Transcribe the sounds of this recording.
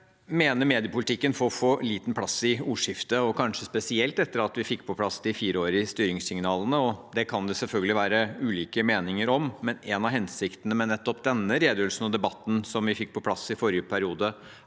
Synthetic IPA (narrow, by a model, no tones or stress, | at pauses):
meːnəɾmeːd̪ɪəpʊlɪt̪ɪkːənfɔɔfoːliːt̪n̩pʰlɑsɪuːʂɪft̪əɔkʰɑnʂəspɛsɪɛlt̪ɛt̪ːəɾɑt̪ʋɪfɪkːpʰɔpʰlɑsd̪ɪfiːɾəoːɾɪst̪yːɾɪŋsɪŋnɑːlənəɔd̪ɛkʰɑnd̪ɛsɛlfœlɡəlɪʋæːɾəʉːliːkəmeːnɪŋəɾɔmːɛnɛnɑɦɛnsɪkt̪ənəmɛnɛt̪ːɔpd̪ɛnːəɾeːd̪jøːlsn̩ɔd̪ɛbɑt̪ːn̩sɔmʋɪfɪk̚ːpʰɔpʰlɑsɪfɔɾɪjəpʰæɾɪuːd̪ə